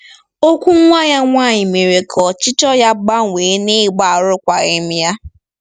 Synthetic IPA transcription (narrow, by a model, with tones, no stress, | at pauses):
o˦kʷu˦ŋʷa˦ja˦ŋʷaː˦˨ɲɪ˨me˨ɾe˨kʰɔ˨t͡ʃɪ˦tɔ˦ja˦ɡ͡ba˦ŋʷeː˨˦ne˦˨ɡ͡ba˨ɾʊ˦kʷa˨ɣe˦m̩˦ja˦